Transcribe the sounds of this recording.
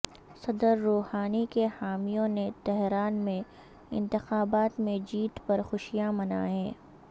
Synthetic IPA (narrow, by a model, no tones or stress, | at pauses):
sɐd̪əɾːoːhaːnikehaːmijõnet̪ɛɦɾaːnmẽ | ɪ̰̃nt̪ɪxaːbaːt̪mẽd͡ʒiːt̪pɐɾxʊʃijamɐna̰ːɛ̃ː